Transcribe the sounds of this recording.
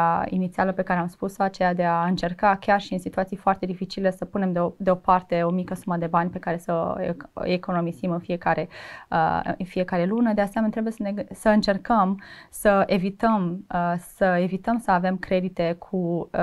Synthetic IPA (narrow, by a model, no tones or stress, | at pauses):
ḭnit̪sialəpe̞kaɾe̞amspusoat͡ʃe̞jad̪e̞aɨnt͡ʃe̞rkakʲarʃiɨnsit̪uat̪sijfoart̪e̞d̪ifit͡ʃile̞səpune̞md̪eo̞part̪e̞o̞mikəsuməd̪e̞banʲpe̞kaɾe̞sə̰ | eko̞no̞mizimɨnfie̞kaɾe̞̰ | ɨ̰nfije̞kaɾe̞lunəd̪easeament̪ɾe̞bujesənesəɨnt͡ʃe̞rkəmsəevit̪əmsəe̞vit̪əmsəave̞mkɾe̞d̪it̪e̞kʰu